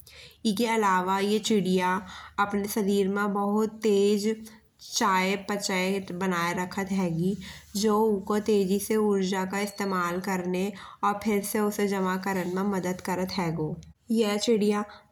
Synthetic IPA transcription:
ɪskeɐlaːʋajet͡ʃɪɽijaɐpnesɐɾiːɾmẽbəɦʊt̪ːeːd͡ʒ | t͡ʃaːjepət͡ʃəebənaːeɾəkʰət̪ɦɛːɡid͡ʒoːkot̪eːd͡ʒiseʊɾd͡ʒakaɪst̪eːmaːlkəɾneɔːɾpʰɪɾseʊsed͡ʒɐmakəɾənmẽmɐd̪əd̪kəɾət̪ɦɛːɡoːjɛt͡ʃɪɽija

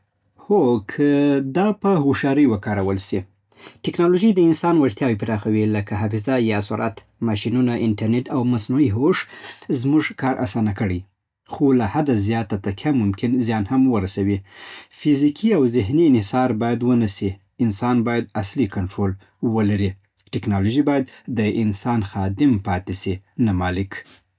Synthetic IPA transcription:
hokʰəd̪ɑpəɦoʃɑɾəjwəkɑɾawəlʃi | ʈɪknɑloʒəjd̪əɪnsɑnwaɽt̪jɑwipɾɑxawiləkaɦafɪzajɑsʊɾʔat̪ | maʃinunaʔɪɳʈaɾneʈawmasnuiɦoʂzmuʐkɑɾʔa̰sɑnakəɽəj | xolahad̪azjɑt̪at̪akʰjamʊmkɪnzjɑnhamwəɾasawifizikʰiawzɪɦniɪnhɪsɑɾbɑjad̪wənasi | ɪnsɑnbɑjad̪̚aslikaɳʈɾol | wəlaɾi | ʈɪknɑloʒibɑjad̪̚ːəɪnsɑnxɑd̪ɪmpɑt̪esinamɑlɪk

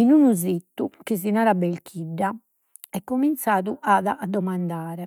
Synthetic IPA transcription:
inunuzit̪ːukizinaːɾabelkʰiɖːa | ɛkːomint̪saːðuʔaːðaʔad̪ːɔmand̪aːɾɛ

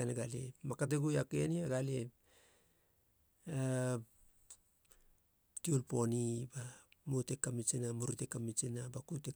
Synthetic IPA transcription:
aneɡalḛmakat̬eɡujakeniaɡale | a | tiulpo̞nibamutekːamit͡ʃenamuɾutekːamit͡ʃinabakute

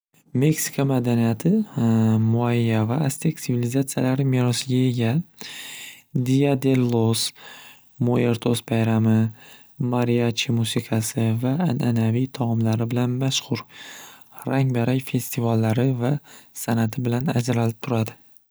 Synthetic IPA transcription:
me̞ksi̥kʰamad̪anijat̪ʰɪ | mʊaːavaast̪ʰeksɪvilizat̪sijalaɾɪmiɾɒsɪɡʲae̞ɡʲa | d̪ijad̪e̞lːos | moe̞ɾt̪ʰosbajɾamɪ | maɾiat͡ʃʰimusɪqʰɑsɪvaːnʔanavit̪ʰɒʁɨmlaɾɪbɪlanmaʃχʊɾ | ɾaŋbaɾajfe̞st̪ʰivalːaɾɪvasanat̪ʰɪbɪlanad͡ʒɾalɪp̚t̪ʰʊɾad̪ɪ

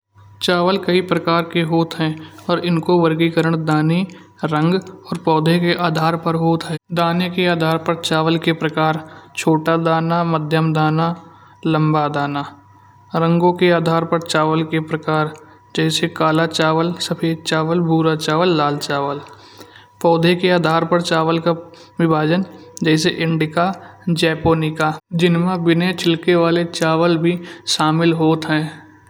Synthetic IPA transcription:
t͡ʃaːʋəlkəipɾəkaːɾkeɦoːt̪ɦɛ̃ːɔːɾɪnkoʋəɾɡikəɾəɽ̃d̪aːne | ɾə̃ŋɡɔːɾpɔːd̪ʱekeʔaːd̪ʱaːɾpəɾɦoːt̪ɦɛːd̪aːnekeaːd̪ʱaːɾpəɾt͡ʃaːʋəlkepɾəkaːɾt͡ʃʰoːʈad̪aːnaməd̪ʱjəmd̪aːna | lə̃mbad̪aːnaː | ɾə̃ŋɡõkeaːd̪ʱaːɾpəɾt͡ʃaːʋəlkepɾəkaːɾ | d͡ʒɛːsekaːlat͡ʃaːʋəlsəpʰeːd̪̚t͡ʃaːʋəlbʱuːɾat͡ʃaːʋəlːaːlt͡ʃaːʋəl | pɔːd̪ʱekeaːd̪ʱaːɾpəɾt͡ʃaːʋəlka | ʋɪbʱaːd͡ʒənd͡ʒɛːs̬eʔɪ̃ɳɖɪkad͡ʒɛːpoːnikad͡ʒɪnmãbɪnet͡ʃʰɪlkeʋaːlet͡ʃaːʋəlbʱiʃaːmɪlɦoːt̪ɦɛ̃ː

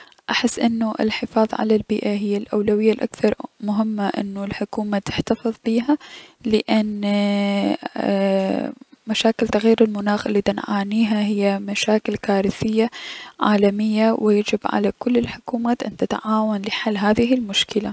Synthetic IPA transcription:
ʔaħɪsːʔɪnːuʔɪ̰lħɪfɑːðˤʕa̰lalbiːʔaɦɪjːalʔawlawɪjːalʔa̰kθɑɾˤmʊɦɪmːaʔɪ̰nːulħʊkuːmat̪ɪħt̪afɨðˤbiːɦalɪʔan | maʃaːkɪlt̪aɣjiːɾɪlmʊnaːxʔɪlːiːt̪ɪnʕaːniːɦaɦɪjːamaʃaːkɪlkaːɾɪθɪjːaʕaːlamɪjːawɪjad͡ʒɪbʕa̰lakʊlːɪlħʊkuːmaːt̪ʔa̰nt̪ɪt̪ʕaːwanlɪħalːɦaːðɪɦɪlmʊʃkɪla

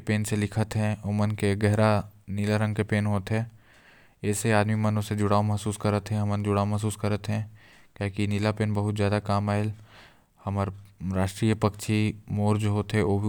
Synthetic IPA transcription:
peːnselɪkʰət̪ɦɛ̃omənkeɡɛɦɾanilaɾə̃ŋɡkepeːnɦoːt̪ɦɛ̃ː | ɛːseaːd̪mimɐnõsed͡ʒʊɽaːomɐɦsuːskɐɾət̪ɦɛ̃ɦɐmənd͡ʒʊɽaːomɐɦs̬uːskɐɾət̪ɦɛ̃ | kaːkinilapeːnbɐɦʊt̪zjaːd̪akaːmaːɦel | hɐməɾɾaːʃʈɾiːjəpɐkt͡ʃʰimoːɾd͡ʒoɦoːt̪ɦɛ̃oːbʱi

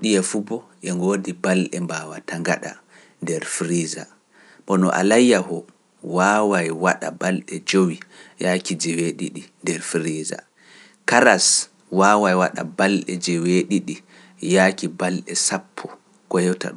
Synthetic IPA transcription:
ɗijɛfubɔ | ʔɛŋɡoːdibalɗɛmbawataŋɡaɗa̰ | ndɛɾfɾiza̰ | ɓɔnɔ̰ʔa̰lajːahɔ | waːwajwaɗa̰balɗɛd͡ʒowijakid͡ʒɛweɗḭɗindɛɾfɾiza̰ | kaɾas | waːwajwaɗa̰balɗɛ̰d͡ʒɛweɗiɗi | jakibalɗɛsapʰːɔ | kɔjɔta̰ɗu

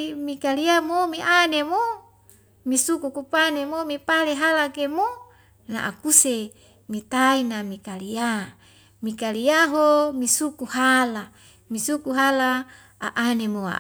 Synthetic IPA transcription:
mikaliamomiʔanemo | misukukupanemomipaleɦalakemo | na̰ʔa̰kuse | mit̪ainamikalia | mikaliaɦomisukuhala | misukuɦala | a̰ʔːnemoa̰

